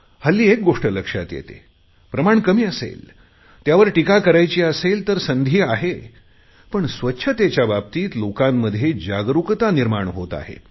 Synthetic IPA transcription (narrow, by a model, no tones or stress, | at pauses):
həlːiːek̚ɡoʂʈələkʂa̰t̪jḛt̪ḛ | pɾəmaɳkəmiːəsḛl | t̪jaʋəɾʈikakəɾajt͡ɕiːəselt̪əɾsənd̪ʱiːaɦe | pəɳsʋətːɕʰət̪jat͡ɕjabab̚t̪iːt̪lokamːəd̪ʱjed͡ʑaɡɾukt̪aniɾmaɳɦot̪a̰ɦḛ